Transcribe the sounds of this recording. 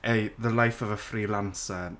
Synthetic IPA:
ʔejðəlajfəvəfriːlansə

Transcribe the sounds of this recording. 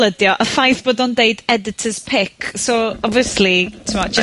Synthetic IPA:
lədjɔʔəfajθb̥oːdɔndeɨdɛdɪtʰəz̥pʰɪkʰsoɔbviəslitʰəmɔd͡ʒə

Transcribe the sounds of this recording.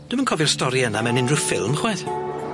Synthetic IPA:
d̥ɪmənkʰɔvɪrstɔɾiənamɛnɪndrɪfɪlˠmχwɛð̥

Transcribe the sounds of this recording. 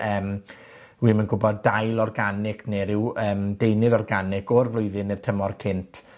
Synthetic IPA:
əːm | wiːmənɡʊbɔdːajlˠɔrɡanɪkʰneɾɪwəːmdejnɨðɔrɡanɪkʰɔrvlˠʊɨðɨnɪr̥tʰəmɔrkʰɪntʰ

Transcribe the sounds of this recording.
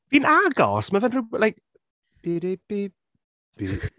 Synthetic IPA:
b̥iːnaɡɔ̰smavɛnrɪlajk̚ | b̥iɾib̥i | b̥i

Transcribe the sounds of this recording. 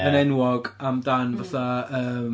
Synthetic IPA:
ənɛnwɔɡamdanvaθaəːm

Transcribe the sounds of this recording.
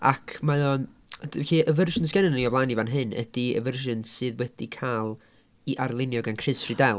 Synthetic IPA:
a̰kʰmaðɔn | d̥vɬiːəvərʒɪnsɡɛnənəniɔvlˠaːnivanɦɨnə̰d̥iə̰vərʒɨnsɨːðwɛd̥ikʰalˠ | iʔarlˠɪnjɔɡankʰrɨsridɛlˠ

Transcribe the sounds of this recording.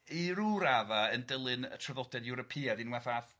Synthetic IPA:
iɾuɾavaəndɪlˠɨnə̰tʰrəðɔdɛdjuɾɔpʰiːadinwɛθaθ

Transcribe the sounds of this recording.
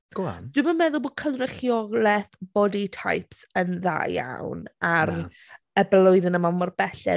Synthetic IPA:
ɡ̥a̰d̥wɪmamɛðʊlˠboːd̚kʰənrɛχjɔɡlˠɛθb̥ɔditʰa̰jpsənða̰ːja̰wnar | əbɛlˠʊɨðɪnəmamɔrbɛɬɛ̰

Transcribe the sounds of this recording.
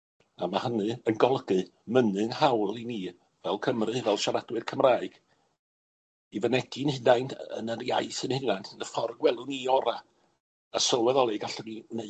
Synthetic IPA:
amahənɨənɡɔlˠɡɨmənɨnhawlˠiniː | vɛlˠkʰəmrɨvɛlˠʃaɾadwɨrkʰəmraːɨɡ̥ | ivənɛd̥inhɪnajnʰə̰nərja̰ɨθənhɪnajntʰənəfɔrɡwɛlˠʊniɔɾaː | sɔlˠwɛðɔlˠiɡaɬɔnineɨ

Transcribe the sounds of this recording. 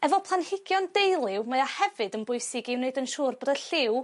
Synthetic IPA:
ɛvɔpʰlˠanhɪɡjɔndejlˠɪwmaahɛvɨdənbʊɨsɪɡiwneɨdənʃuːrbɔdəɬɪw

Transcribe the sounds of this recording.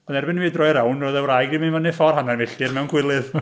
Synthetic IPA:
ɔnɛrbɪnviːdrɔjɾawnoðɛwɾajɡiminvɔnɛfɔrhanarmɪɬɪrmɛwnkʰwɪlˠɨð

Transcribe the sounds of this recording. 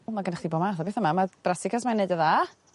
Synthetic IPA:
lˠmaɡənaχdibɔːmaθɔbeːθəmamadrasɪkʰasmaneɨdəðaː

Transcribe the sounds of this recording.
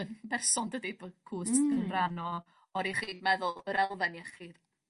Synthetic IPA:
ənbɛrsɔndədibəkʰuːsɡənranɔ | ɔɾiχiːdmɛðʊlˠəɾɛlˠvɛnjɛχiːd

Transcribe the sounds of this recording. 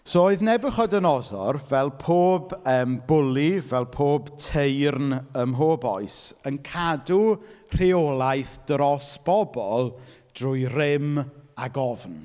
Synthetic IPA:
soːoɨðnɛbʊχɔdənɔðɔ̰rvɛlˠpʰoːbəːmbʊlˠivɛlˠpʰoːbtʰejrnəmɦoːbɔɨsənkʰadur̥eolˠajθd̥rɔsb̥ɔbɔlˠ | d̥rʊːjrɪmaɡɔvn

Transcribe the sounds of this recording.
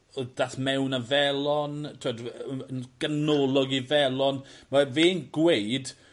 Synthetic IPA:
ɔdaθmɛwnavɛlˠɔntʰɪmɔdənɡ̥ənɔlˠɔɡivɛlˠɔnmaveːnɡwejd

